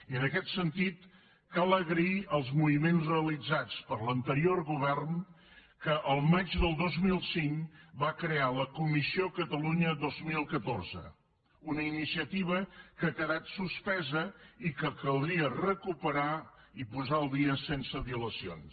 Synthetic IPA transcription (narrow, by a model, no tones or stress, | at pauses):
iənəkɛt̪sənt̪it̪ | kalˠəɣɾəiʔəlˠzmuβimenzreəlid͡zat͡spəɾlənt̪əɾiorɣuβɛrn | kəʔəlˠmad͡ʒðəlˠd̪ozmilˠsiŋkbakɾealəkumisiokət̪əluɲəðozmilˠkət̪orzə̰ | unəinisiət̪iβ̞əkəakəðat̪suspɛzəikəkəlˠd̪ɾiərəkupəɾaipuzaəlˠd̪iəsensəβiuləsio̰ns